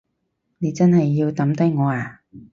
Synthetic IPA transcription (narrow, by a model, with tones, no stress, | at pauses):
ne˨˧jt͡sɐ˥nhɐ˨jːiː˧wt̪ɐ˨˥mt̪ɐ˨˥ŋɔː˨˧aː˨